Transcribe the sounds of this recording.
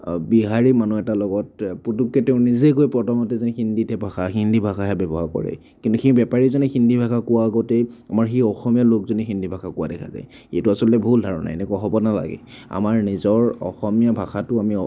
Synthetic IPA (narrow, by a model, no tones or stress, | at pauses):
biɦaɹimanuɛtalɔɡɔt̚putukːeteʊ̃nizekojpɹɔtʰɔmɔtɛzɔnɛxindʱitɛbʱaxaxindʱibʱaxaɦɛbɛbɔɦakɔ̰ɹɛ̰ | kintuxibɛpaɹizɔnɛxindʱibʱakakʊwaːɡɔtejamaɹxiɔxɔmijalokzɔnixindʱibʱakʰakʊwadɛkʰa̰za̰j | etuasɔlɔtɛbʱuldʱaɹɔ̰na̰jɛnɛkuaɦɔbɔnala̰ɡɛ̰ | a̰maɹnizɔɹɔ̰xɔmijabʱaxatʊami